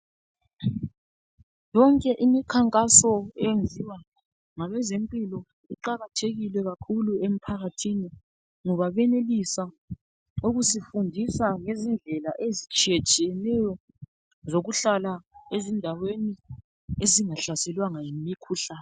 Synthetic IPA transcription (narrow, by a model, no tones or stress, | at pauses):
jɔŋkʼɛʔimikʰaŋkʼasɔɛnd͡zʱiwa | ŋaβɛzempʼilɔ | uǃaɣatʰeɣilɛɣakʰuluem̩pʰaɣatʰini | ŋɔβaβɛnelisa | uɣusifundʱisaŋezind͡ɮʱɛlaʔezit͡ʃʼijet͡ʃʼijɛnɛjɔ | zoɣuɬalaezindʱaweni | eziŋaɬasɛlwaŋajimikʰuɬaːn